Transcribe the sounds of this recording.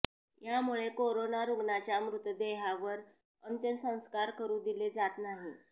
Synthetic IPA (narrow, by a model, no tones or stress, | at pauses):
jamuɭekoɾonaɾuɡɳat͡ɕjamɾut̪əd̪eɦaʋəɾ | ənt̪jənsə̃w̃skaɾkəɾuːd̪iled͡zat̪naɦi